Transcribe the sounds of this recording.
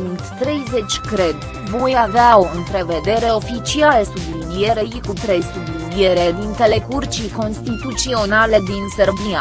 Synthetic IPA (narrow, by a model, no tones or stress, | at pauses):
unt̪ːɾe̞jze̞t͡ʃʲkɾe̞d̪ | vojaveao̞ɨnp̪ɾe̞ve̞d̪e̞ɾe̞o̞fit͡ʃialesublid̪ie̞ɾeikut̪ɾe̞jsublid̪ie̞ɾed̪int̪e̞le̞kurt͡ʃijko̞nst̪it̪ut̪sio̞nale̞d̪inserbia